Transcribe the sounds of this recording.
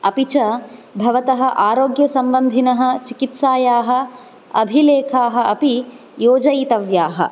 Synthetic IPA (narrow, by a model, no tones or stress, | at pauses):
ɐpit͡ʃɐbʱɐʋɐt̪ɐɦɐ̆ʔaːɾoːɡjɐsɐmbɐnd̪ʱinɐɦɐ̆t͡ʃikit̪saːjaːɦɐ̆ | ɐ̰bʱileːkʰaːɦɐ̆ʔɐpi | joːd͡ʒɐjit̪ɐʋjaːɦɐ̰